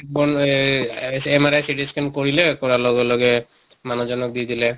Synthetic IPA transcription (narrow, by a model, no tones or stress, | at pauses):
ɛk̚bɔn | emaɾajsiʈiskʰenkoɹilekɔɹalɔɡɔlɔɡɛ | manɔd͡ʒɔnɔk̚d̪id̪ilɛ